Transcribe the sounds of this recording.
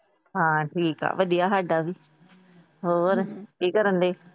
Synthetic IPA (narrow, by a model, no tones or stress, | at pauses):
ɦãːʈʰiːka̰ːʋəɗijaːɦaːɖaːʋiː | ɦoːɾkiːkəɾənd̪eː